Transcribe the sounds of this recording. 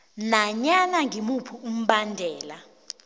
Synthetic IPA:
naɲanaŋʱimupʰuum̩ɓandʱɛːla

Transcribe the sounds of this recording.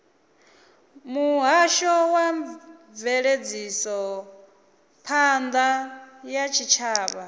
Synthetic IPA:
muɦaʃɔwa | vɛɺed͡zisɔ | pʰand̪ajat͡ʃʰit͡ʃʰaːβa

